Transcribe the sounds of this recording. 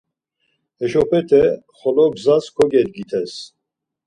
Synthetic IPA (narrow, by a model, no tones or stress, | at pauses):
hɛʃɔpʰɛt̪ʰɛ | χɔlɔbzaskʰɔɡɛt̪̚ɡit̪ʰɛs